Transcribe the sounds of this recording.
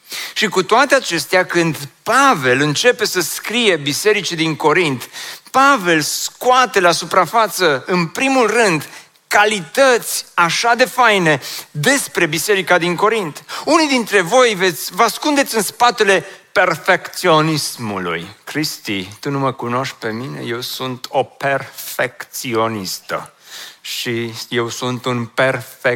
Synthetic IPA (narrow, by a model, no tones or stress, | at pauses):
ʃikut̪oat̪eat͡ʃe̞st̪eakɨnd̪pave̞lɨnt͡ʃe̞pe̞səskɾije̞bise̞ɾit͡ʃid̪iŋko̞ɾint̪pave̞lskuat̪e̞lasupɾafat̪səɨnpɾimulrɨnd̪ | kalit̪ət̪sʲaʃad̪e̞fajne̞d̪e̞spɾe̞bise̞ɾikad̪iŋko̞ɾint̪unid̪int̪ɾe̞vo̞jve̞t̪sʲvəaskund̪eɨnspat̪e̞le̞pe̞rfe̞kt̪sio̞nismṵlṵjkɾist̪ḭt̪unuməkuno̞ʃk̚pe̞mine̞̰je̞wsunt̪ʰo̞pe̞rfe̞kt̪sio̞nist̪ə̰ʃije̞wsunt̪unpe̞rfe